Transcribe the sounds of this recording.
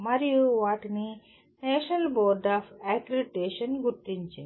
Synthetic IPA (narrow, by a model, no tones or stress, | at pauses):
maɾijuʋaʈni | nɛɕnɐlboɾɖafɛkiliʈeɕənɡut̪ːiɲt͡ɕe